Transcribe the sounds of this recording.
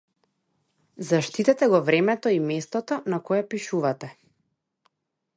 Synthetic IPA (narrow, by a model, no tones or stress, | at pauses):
zaʃt̪it̪ɛt̪ɛɡɔvɾɛmɛt̪ɔimɛst̪ɔt̪ɔnakɔjɛpiʃuvat̪ɛ